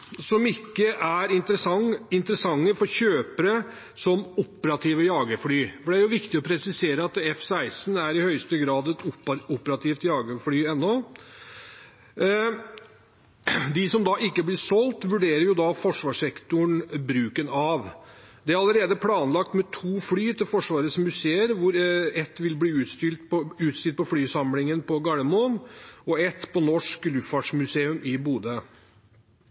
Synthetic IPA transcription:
sɔmɪkːəʔæɾɪnt̪ɪnt̪əɾəsɑŋːəfɔɾɕøːpəɾə | sɔmʊpːəɾɑt̪ʰiːʋəjɑːɡəfɽyːfɔɖɛæɾjʊʋɪkt̪ɪɔpʰɾɛsɪseːɾəɑt̪ɛfsæɪsnæɾɪhœʏst̪əɡɾɑːd̪ɛt̪ʊpːəɾɑt̪ʰiːft̪jɑːɡəfɽyːɛnːɔ | d̪ɪsɔmd̪ɑːʔɪkːəblɪsɔlt̪ʋʉɖeːɾəɾjʊd̪ɑfɔʂʋɑːʂɛkt̪ʊəɳbɾʉːkənɑʋ | d̪ɛæɾɑləɾeːd̪əpʰlɑːnlɑkt̪mɛt̪ʰuːfɽyːt̪ʰɪlfɔʂʋɑːɾət̪smʉseːəɾʋʊɾɛt̪ːʋɪlb̪iːʉːt̪st̪ʏlt̪pʉːt̪st̪ʏlt̪̚pʰɔflyːsɑmlɪŋənpʰɔɡɑləmɔnɔɛt̪pʰɔnɔʂklʉfɑʈʂmʉseːʉmɪbuːd̪ə

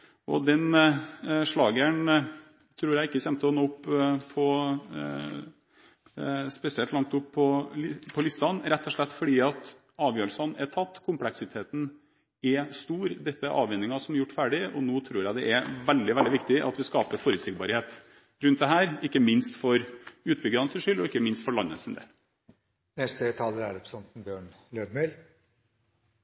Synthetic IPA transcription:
ʔɔd̪ɛn | ʂɭɑːɡəɳ | t̪ʰɾuːɾjæɪɪkːəçɛmt̪əɔnoːʊpːpʰːɔ | spɛsɪɛlt̪lɑŋkt̪ʊpʰːɔpʰɔlɪst̪ɑnɾɛt̪ʰːɔʂɭɛt̪ːfɔɖiːɑt̪ | ɑːʋjøːɾəlsɑnɛt̪ʰɑt̪ːkʰʊmplɛksɪt̪ʰeːt̪n̩ | ɛst̪uːɾd̪ɛt̪ːəʔɑ̰ːʋɛnːɪŋɑsɔmjʊʈːfæːɖɪɔnoːt̪ʰɾuːɾjæɪd̪ɛʔɛɾʋɛld̪ɪʋɛld̪ɪʋɪkt̪ɪʔɑ̰t̪ʋɪskɑːpəɾfɔɾʉːt̪sɪɡ̚bɑɾheːt̪ | ɾʉnt̪d̪ɛɦæːɾɪkːəmɪnst̪fɔɾʉːt̪̚bʏɡɾɑnsʉːʂʏlːɔɪkːəmɪnst̪fɔɭɑnːə̰sɪnd̪ḛːl | nɛst̪ət̪ʰɑːləɾæɾɔpsɔnt̪n̩bjøːɳ | løːd̪mœl

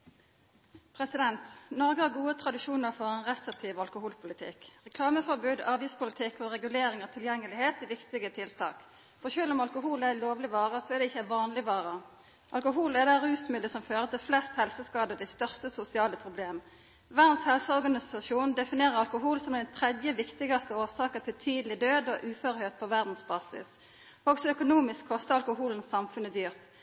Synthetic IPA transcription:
pʰʁɛsɪd̪ɛnt̪nɔʁɡəhɑɡuːət̪ʰʁɑd̪ɪʃuːnəʁfɔʁɛnʁɛst̪ʁɪk̚t̪ʰiːʋɑlkʊhuːlpʰʊlɪt̪ʰɪ̰kʁɛkʰlɑːməfɔʁbʉːd̪ɑːʋɪspʰʊlɪt̪ʰɪkɔʁɛɡʉleːɾɪŋət̪ʰɪljɛŋːəlɪheːt̪ɪʋɪkt̪ɪɡət̪ʰɪlt̪ʰɑ̰ːk | fɔʁçøːlʊmɑlkʊɦuːlæloːʋlɪʋɑːʁəsɔæʁd̪ɛɪçːəʋɑːnlɪʋɑːʁə | ʔɑlkʊɦuːlɛd̪æɾʉːsmʏld̪əsɔmføːʁət̪ʰɪflɛst̪hɛlsəskɑːd̪əʁd̪ɛɪst̪œʁst̪əsʊsɪɑːləpʰʁʊbleːm | ʋæʁd̪n̩shɛlsəɔʁɡɑnɪsɑʃuːnd̪ɛfɪneːʁəɾɑlkʊɦuːlsɔmd̪ɛnt̪ʰʁɛd̪jəʋɪkt̪ɪɡɑst̪əoːsɑːkəʁt̪ʰɪlt̪ʰiːd̪lɪd̪øːd̪ɔʔʉːføʁhøːt̪̚pʰɔʋæʁd̪n̩sbɑːsɪ̰s | ɔɡsɔœkʊnuːmɪskʰːɔst̪əʁɑlkʊhuːlən̩sɑmfʉnəd̪yːʁt̪

